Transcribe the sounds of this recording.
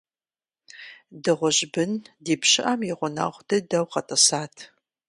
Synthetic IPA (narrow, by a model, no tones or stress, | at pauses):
dɨʁʷʊʑbɨndiːpɕɪʔɐmjɪʁʷʊna̰ːʁʷdɐdɐwqɐtʼɐsaːtʰ